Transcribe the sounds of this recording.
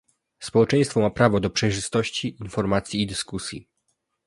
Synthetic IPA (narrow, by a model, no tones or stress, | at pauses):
spɔwɛt͡ʂɛ̃j̃st̪fɔmapɾavɔd̪ɔpʂɛjʐɘst̪ɔɕt͡ɕiʔːnfɔɾmat̪sʲjiːd̪ɘskusʲjḭ